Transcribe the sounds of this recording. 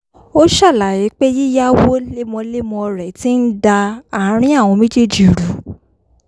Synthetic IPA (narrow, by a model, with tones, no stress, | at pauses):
o˦ʃa˦˨la˨ji˨˦k͡pe˦ji˦ja˦wo˦le˦mɔ̃˧le˦mɔ̃˧ɾɛ˨ti˦n̩˦da˧a˦˨˦ɾ̃ĩ˦a˦˨w̃ɔ̃˧mĩ˦d͡ʒe˦d͡ʒi˨ɾu˨˦